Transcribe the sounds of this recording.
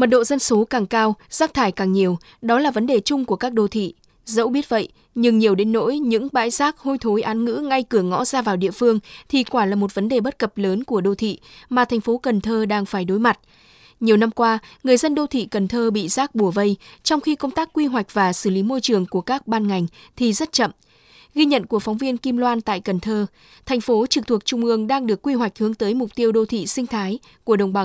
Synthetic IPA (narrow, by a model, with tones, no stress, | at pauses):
mə˨˩t̚ɗo̰˧˨zə˧nso˨˦kaː˨˩ŋkaː˧wz̥aː˦˥k̚t̪ʰaː˧˩jkaː˨˩ŋɲi˨˩əw | ɗɔ˨˦laː˨˩və˨˦nɗe˨˩t͡ɕʊ˧ŋ͡mku˧˩əkaː˦˥k̚ɗo˧t̪ʰḭ˧˨ | zə̰˧˥wɓi˦˥ət̚və̰˧˨jʔ | ɲɨ˧ŋɲi˨˩əwɗe˨˦nːo̰˧˥jɲɨ̰˧˥ŋɓa̰ː˧˥jzaː˦˥k̚ho˧jt̪ʰo˨˦jʔaː˨˦nŋɨ̰˧˥ŋa˧jkɨ˧˩əŋɔ̰˧˥zaː˧vaː˨˩wɗḭ˧˨əfɨ˧əŋt̪ʰi˨˩kwaː˧˩laː˨˩mo˨˩t̚və˨˦nɗe˨˩ɓə˦˥t̚kə˨˩p̚ləː˨˦nku˧˩əɗo˧˩t̪ʰḭ˧˨maː˨˩t̪ʰɛ˨˩ŋ̟fo˨˦kə˨˩nt̪ʰəː˧ɗaː˧ŋfaː˧˩jɗo˨˦jma˨˩t̚ | ɲi˨˩əwna˧mkwaː˧ŋɨ˨˩əjzə˧nɗo˧t̪ʰḭ˧˨kə˨˩nt̪ʰəː˧ɓḭ˧˨zaː˦˥k̚ɓu˧˩əvə˧jt͡ɕɔ˧wŋ͡mxi˧kə˧wŋ͡mt̪aː˦˥kːwi˧ɦwa˨˩jk̟̚vaː˨˩sɨ˧˩li˨˦mo˧jt͡ɕɨ˨˩əŋku˧˩əkaː˦˥k̚ɓaː˧nŋa˨˩jŋ̟t̪ʰi˨˩zə˦˥t̚t͡ɕə̰˧˨m | ɣi˧ɲə̰˧˨nku˧˩əfɔ˨˦wŋ͡mvi˧ənki˧mlwaː˧nt̪a̰ː˧˨jkə˨˩nt̪ʰəː˧ | t̪ʰɛ˨˩jŋ̟fo˨˦t͡ɕɨ˨˩k̚t̪ʰu˨˩ək̚t͡ɕʊ˧ŋ͡mʔɨ˧əŋɗaː˧ŋɗɨ˨˩əkːwi˧ɦwa˨˩jk̟̚hɨ˨˦əŋt̪əː˨˦jmʊ˨˩k͡p̚t̪i˧əwɗo˧t̪ʰḭ˧˨sï˧ŋt̪ʰaː˨˦j | ku˧˩əɗə˨˩wŋ͡mɓa˨˦